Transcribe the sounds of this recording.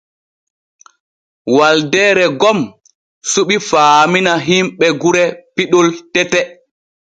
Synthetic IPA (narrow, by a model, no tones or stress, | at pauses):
waldɛːɾɛɡɔm | suɓifaːminaɦimɓɛɡuɾɛpiɗɔltɛtɛ